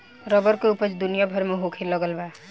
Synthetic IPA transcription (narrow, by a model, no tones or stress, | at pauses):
ɾəbəɾkeʊpət͡ʃd̪ʊnijabʱəɾmeɦokʰelːəɡəlba